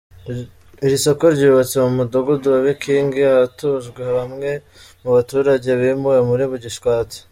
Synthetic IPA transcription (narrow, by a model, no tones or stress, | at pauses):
iɾiso̞ko̞ɾɟuːβat͡semumudoɡuduaβikiːŋɡeaβatuʒɡwehaβamŋe̞ | muβatuːɾaɟe̞βimujemuɾiβuɟiʃkwaːt͡si̥